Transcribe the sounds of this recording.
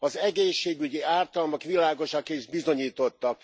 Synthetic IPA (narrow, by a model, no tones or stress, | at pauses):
ɒzɛɡeːʃːeːɡyɟiaːrt̪ɒlmokʋilaːɡo̞ʃɒkiʒbizo̞ɲiːt̪o̞t̪ːɒk̚